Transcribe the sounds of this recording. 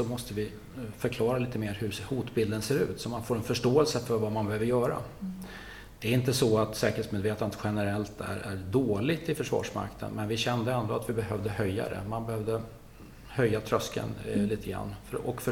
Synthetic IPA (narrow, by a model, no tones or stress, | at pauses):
sɔmɔst̪əvɪ | fœɾkʰlɑːɾaliːt̪əmeːɾhɵhuːt̪bɪld̪ənseːɾʉ̟ːt̪sɔmanfoːɾɛnfœʂʈoːɛlsəfœɾvamanbɛhøːvəɾjœːɾa̰ | d̪̥ɛːɾɪnt̪əsɔat̪sɛ̰ːkəɾet̪smeːd̪veːt̪anət̪ɧɛnəɾɛlt̪ʰæ̰ɾæɖ̪oːlɪɡ̚t̪ɪfœʂvɑ̰ːʂma̰kt̪ʰə̰nmɛnvɪɕɛnd̪əɛnd̪oːat̪vɪbɛhœvd̪əhœjːa̰d̪ɛ̰manbɛhœːvd̪ə | hœjːat̪ʰɾœskə̰nliːt̪ʰəɡɾa̰nːfœɾɔkf